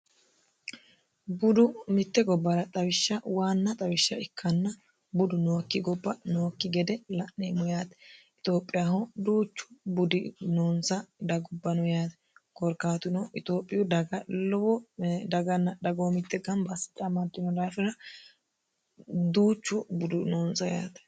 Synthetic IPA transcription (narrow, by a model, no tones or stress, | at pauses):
bʊd̪ʊmɪt̪ːɛɡɔbːɐɾɐt̪ʼɐwɪʃːɐwaːnːɐt̪ʼɐwɪʃːɐɪkʰːɐnːɐ | bʊd̪ʊnoːkːɪɡɔbːɐnoːkːɪɡɛd̪ɛlɐʔːeːmɔjaːt̪ɐ | ɪt̪ʼo̞ːpʼːɪjahɔd̪uːt͡ʃːʊ̥bʊd̪ɪnoːnsɐd̪ɐɡɔbːɐnʊjaːt̪ɛ | kɔɾkaːt̪ʊnɔʔɪt̪o̞ːpʼːɪjʊd̪ɐɡɐlɔwɔd̪ɐɡɐnːɐd̪ɐɡoːmɪt̪ːɛɡɐnbɐsɪ̥t͡ʃʼːɐmɐd̪ːɪnɔd̪aːfɪɾɐ | d̪uːt͡ʃːʊbʊd̪ʊnoːnsɐja̰ːt̪ɛ̥